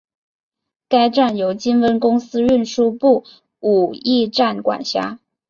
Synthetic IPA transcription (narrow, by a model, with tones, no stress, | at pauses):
ka˥ɪʈ͡ʂa˥˩njo˧˥ʊt͡ɕi˥nwə˥nkʊ˥ŋsɹ̩˥ɻə˥˧nʂu˥pu˥˩ | u˨˩i˥˧ʈ͡ʂa˥˩nkwa̰˨˩nɕja̰˥